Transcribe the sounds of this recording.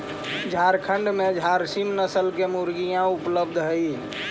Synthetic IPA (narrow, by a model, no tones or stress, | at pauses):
d͡ʒʱaɾkʰəɳɖmed͡ʒʱaɾsimnəsəlkemuɾɡijãupləbd̪ʱɦəi